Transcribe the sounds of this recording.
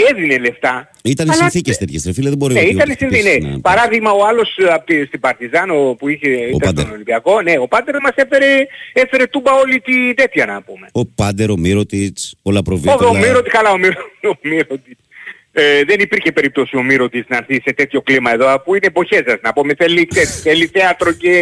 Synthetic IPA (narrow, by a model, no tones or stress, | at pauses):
eðinele̞ft̪ɐ | it̪ɐnɐsiθicest̪et̪çest̪ɾefilɐðeboɾineit̪ɐnnesininenɐ̰pɐɾɐðiɣmɐoɐlo̞sɐpot̪ist̪ibɐɾt̪izɐnopuiçe̞itɐɐsd̪nolibiɐko̞ne̞o̞pɐd̪eɾmɐse̞fe̞ɾe̞efe̞ɾe̞t̪ubɐo̞lit̪id̪e̞t̪çɐnɐpume̞opɐd̪eɾomiɾot̪it͡solɐpɾovioomiɾot̪iskɐlɐo̞miɾoomiɾot̪it͡s | eðenipiɾçe̞pe̞ɾip̚t̪o̞sio̞miɾo̞t̪isnɐːɾθise̞t̪e̞t̪ço̞klimɐe̞ðo̞ɐfuinepo̞çe̞sɐsnɐpume̞θe̞lːit̪esθelːiθeɐt̪ɾo̞ce̞